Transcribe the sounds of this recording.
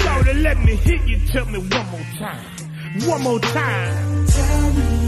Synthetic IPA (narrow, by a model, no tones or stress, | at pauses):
saɾɨlɛt̚mihɪt̚jɨtʰɛlmiwʌ̃nmɔtʰãɪ̃m | wʌ̃nmɔtʰãɪ̃m